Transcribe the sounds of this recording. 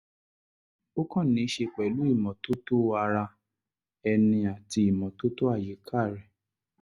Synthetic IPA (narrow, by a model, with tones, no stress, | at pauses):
o˦kɔ̃˦˨nĩ˨˦ʃe˧k͡pɛ˨lu˨˦i˦˨mɔ̃˨to˦to˦a˧ɾa˧ | ɛ˧nĩ˧a˨ti˧i˨mɔ̃˨to˦to˦a˦˨ji˨˦kʰa˦˨ɾɛ˨